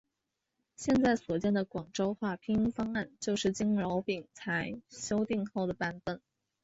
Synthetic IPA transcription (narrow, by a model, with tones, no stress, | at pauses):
ɕjɛ˥˧nt͡sa˥˩ɪswɔ˨˩t͡ɕjɛ˥˩nd̪ə˩kwɑ˨˩ŋʈ͡ʂo˥ʊxwa˥˩pʰi˥ŋfɑ˥ŋa˥˩nt͡ɕjo˥˧ʊʂɻ̩˥˩t͡ɕi˥ŋlɑ˧˥ʊpi˨˩ŋt͡sʰa˧˥ɪɕjo˥ʊt̪i˥˧ŋxo˥˩ʊd̪ə˩pa˥˩nfə˥˩n